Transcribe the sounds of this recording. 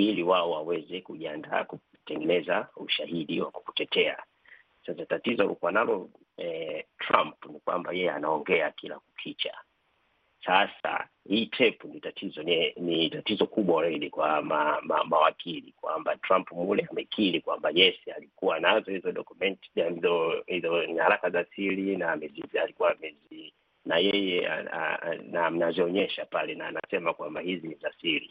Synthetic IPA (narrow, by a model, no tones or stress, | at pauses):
iliwaɔwawɛzɛkuʄianda̰ku | tɛŋɡɛnɛzauʃahiɗiwaku̥ku̥tɛtʰɛa̰ | sasatatizɔlikuwanalɔ | ɛtɾampnikwa̰mbajɛjɛanaɔŋɡɛakila̰kukʰit͡ʃa̰ | sasa̰ | hiːtʰɛpunitatʰizɔnnitatizɔkuɓwaɾailikwamama̰mawakʰilikwa̰mbatɾampumulɛamɛkʰilikwambaʄɛsialikuwanazɔhizɔɗɔkumɛnti̥azɔhizɔnihaɾakazasilinaːmɛzizalikuwamɛzi | najɛjɛa̰a̰nam̩nazɔɔɲɛʃapalɛnaːnasɛmakwambahizinizasilḭ